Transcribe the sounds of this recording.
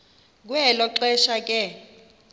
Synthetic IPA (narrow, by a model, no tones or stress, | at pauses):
k̬ʼuɛlɔǃɛʃakʼɛ